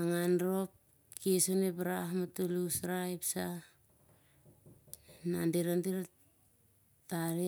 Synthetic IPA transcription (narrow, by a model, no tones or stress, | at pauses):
aŋanɾo̞p̚ | kiesonepaɾaɦmatulusɾaipsa | nandiɾandiɾa | taɾi